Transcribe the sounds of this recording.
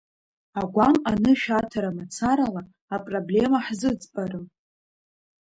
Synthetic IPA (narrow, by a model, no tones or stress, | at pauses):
aɡʷamanɨʃᶣatʰaɾamat͡sʰaɾalaː | pʼroble̞maħzɨd͡zpʼarɨm